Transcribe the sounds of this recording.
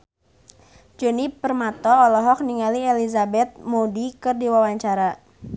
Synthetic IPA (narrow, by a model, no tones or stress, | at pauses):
d͡ʒonipərmat̪ɔːlɔɦɔk̚niŋalielizabɛt̪̚modikɨrdiwawaɲt͡ʃaɾa